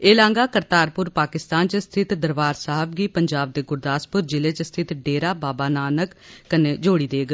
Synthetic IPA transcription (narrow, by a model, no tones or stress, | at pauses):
eːlãːŋɡaːkəɾt̪aːɾpʊɾpaːkɪst̪aːnt͡ʃəst̪ʰɪt̪d̪əɾʋaːɾsaːɦəbɡiːpəɲd͡ʒaːb̚d̪eːɡʊɾd̪aːspʊɾd͡ʒɪleːt͡ʃəst̪ʰɪt̪ɖeːɾaːbaːbaːnaːnəkːəneːd͡ʒoːɽiːd̪eːɡ